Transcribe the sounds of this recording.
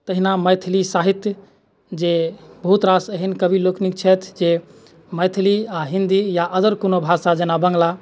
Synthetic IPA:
t̪əɦinaməjt̪ʰlisaɦit̪j | d͡ʒebʱut̪ɾasəɦinkəbiloknik̚t͡ʃʰɛt̪ʰd͡ʒe | məjt̪ʰliaɦĩnd̪ijaʔəd̪əɾkonobʱasad͡ʒenabə̃ŋɡla

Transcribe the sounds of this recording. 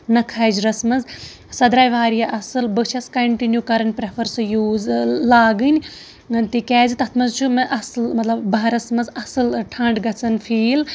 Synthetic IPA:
nɐkʰaːjd͡ʒɾɐsmɐz | sɐd̪ɾaːjʋaːɾijaʔɐsɨlbɨt͡ʃʰɐskɐɳʈinjukɐɾɐnʲpɾepʰɐɾsjuːzlaːɡɨnʲ | t̪ikɛːzit̪ɐt̪ʰmɐzt͡ʃʰumɨʔɐsɨlmɐt̪lɐbbɐɦɐɾɐsmɐzɐsɨlʈʰɐɳɖɡɐt͡sɐnfʰiːl

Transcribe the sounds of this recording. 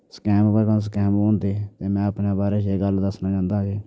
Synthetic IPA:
skɛːmbəɾkãs̬kɛːmõːnd̪eːt̪eːmɛ̃ːəpnaːbaːɾeːʃeːɡəld̪əsnãːd͡ʒãːnd̪aːɡeː

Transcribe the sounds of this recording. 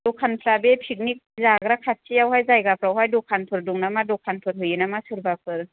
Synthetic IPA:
dɔkʰanpʰlabepʰik̚nik̚zaɡɾakʰat̚sijawɦajzajɡapʰɾawɦajdɔkʰanpʰɯɾduŋnamadɔkʰːanpʰɯɾɦɯjɯnamasɯɾbapʰɯɾ

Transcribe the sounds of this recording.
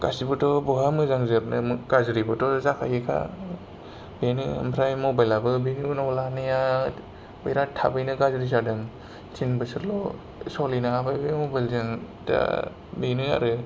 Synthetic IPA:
ɡ̥asibɯtɔbɔɦamɯzaŋzɯɾnɯmɡ̥azɾibɯtɔzakʰa̰jekʰa̰ | benḭmbʰɾajmɔbajlabɯbeninɔwlanɯja | bɯjɾatʰa̰bɯjnɯɡazɾizadɯŋ | t͡ʃinbɯsɯɾlɔ̰ | sɔlinaabajbɯjmɔbajlzɯŋ | da̰ | benia̰ɾɯ

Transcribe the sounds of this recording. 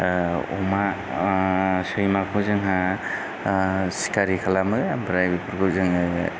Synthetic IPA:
ɔ̰ma | sɯjmakʰɔzɯŋɦa | si̥kaɾikʰalamɯbɾajbipʰɯɾkʰɔzɯŋɯ

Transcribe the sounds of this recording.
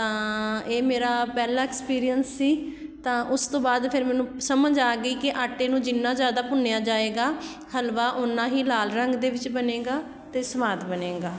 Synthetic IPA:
tt̪ãːeːmeːɾaːpɛːlaːɛkspiːɾijənsːiːt̪ãːʔʊst̪õːbaːd̪pʰɪɾmɛːnũːsəməd͡ʒaːɡiːkɪʔaːʈːeːnũːd͡ʒɪnːãːzjaːd̪aːpʊnejaːd͡ʒaːeːɡaː | həlʋaːʔʊnːãːɦiːlaːlɾəŋɡd̪eːʋɪt͡ʃbənẽːɡaː | t̪eːsəʋaːt̪bənẽːɡaː

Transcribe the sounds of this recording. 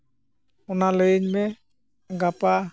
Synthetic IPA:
ɔnalejɲbɛ | ɡapa

